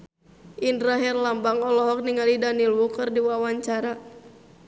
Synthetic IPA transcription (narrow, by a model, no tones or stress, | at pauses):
ʔindɾaɦɛrlambaŋɔlɔɦɔk̚niŋalidanilwukərdiwawaɲt͡ʃaɾa